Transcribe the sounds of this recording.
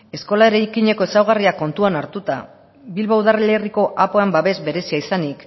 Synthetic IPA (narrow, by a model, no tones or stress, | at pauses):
e̞sko̞lae̞ɾajkiɲe̞ko̞e̞sawɣ̞ariako̞nt̪uanaɾt̪ut̪a̰ | βilβauðareleriko̞ʔapoembaβe̞zbe̞ɾe̞siaisanik